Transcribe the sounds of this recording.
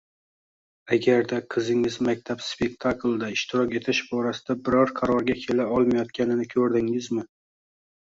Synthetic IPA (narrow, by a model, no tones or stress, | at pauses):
aɡʲaɾd̪aqʰɨzɪŋɪzmak̚ʲt̪ʰapspe̞k̚ʲt̪ʰaklˠd̪aɪʃt̪ʰɪɾɒkʲe̞t̪ʰɪʃbɒɾasɪd̪abɪɾɒɾqʰɑɾɒɾɡʲakʲʰe̞laɒlˠmajɒt̪̚kʲanɪnɪkʲʰɵɾd̪ɪŋɪzmɪ